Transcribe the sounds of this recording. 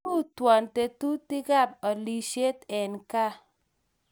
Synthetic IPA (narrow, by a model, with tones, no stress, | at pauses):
u˦twɔ˨nte˨tu˦ti˦ɡa˦˨p̚ɔ˨li˨ʃe˦tɛ˨nka˦